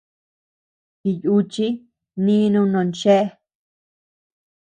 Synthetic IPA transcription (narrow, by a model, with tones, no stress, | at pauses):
ki˧ju˦t͡ʃi˦ | nĩ˦˧nũ˧˦nõ˨nt͡ʃe˦ʔe˦˧